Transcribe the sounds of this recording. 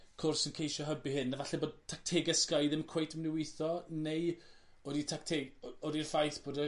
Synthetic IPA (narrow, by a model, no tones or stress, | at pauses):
kʰʊrsənkʰejʃɔɦəbihɨnːavaɬɛboːd̚tʰak̚tʰeɡɛskajðɪmkʰw̥ejtʰəmnɪwejθɔnej | oditʰak̚tʰeodirfajθb̥oːdə